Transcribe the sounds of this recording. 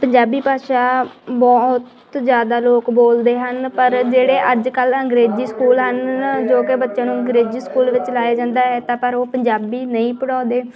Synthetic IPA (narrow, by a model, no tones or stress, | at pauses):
pəɲd͡ʒaːbiːpaːʃaːbɔt̪ | zjaːd̪aːloːkboːld̪eːɦənpəɾd͡ʒeːɽeːʔəd͡ʒkələŋɡɾeːziːskuːlɦənd͡ʒoːkebət̪ːʃãːnũːəŋɡɾeːd͡ʒiːskuːlʋɪt͡ʃlaːjaːd͡ʒãːnd̪aːɦɛːt̪ãːpəɾoːpəɲd͡ʒaːbiːnəĩːpəɽaːd̪eː